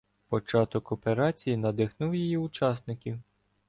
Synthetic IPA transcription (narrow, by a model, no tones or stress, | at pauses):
pɔt͡ʃɑt̪ɔkɔpeɾɑt͡sʲijinɐd̪ɪxnuwjijiʊt͡ʃɑsnɪkʲiw